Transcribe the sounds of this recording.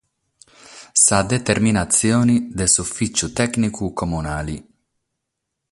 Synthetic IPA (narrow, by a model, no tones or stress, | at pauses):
sad̪et̪erminat̪sjoːnid̪esufːit͡ʃːut̪ɛknikukomunaːli